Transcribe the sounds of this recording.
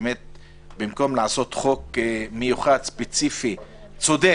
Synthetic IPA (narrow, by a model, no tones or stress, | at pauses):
met̪̚ | bimko̞mlaʕaso̞t̪χo̞kmejuχad̪spet͡sifi | t͡so̞d̪e